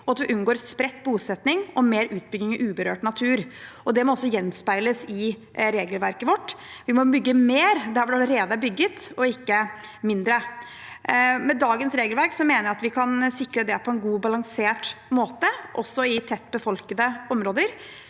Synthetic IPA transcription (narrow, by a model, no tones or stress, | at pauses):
ɔɑt̪ʋɪʔʉnːɡoːɾspɾɛt̪ːbuːsɛt̪nɪŋɔmeːɾʉːt̪̚bʏɡ̪ɪŋɪʔʉːbəɾøːʈnɑt̪ʰʉːɾ | ɔd̪ɛmɔɔsːɔjɛnːspæɪləsɪ | ɾeːɡəlʋæɾkəʋɔʈːʋɪmɔbʏɡːəmeːɾd̪æɾfɔɾd̪ɑləɾeːd̪əæbʏɡːət̪ɔɪkːəmɪnd̪ɾə | mɛd̪ɑːɡənsɾeːɡəlʋæɾksɔmeːnəɾɑt̪ʋɪkʰɑnsɪkɾəd̪ɛpʰɔɛnɡuːbɑlɑŋseːʈmoːt̪əʔɔsːɔɪt̪ʰɛt̪ːbəfɔlkəd̪əɔmɾoːd̪əɾ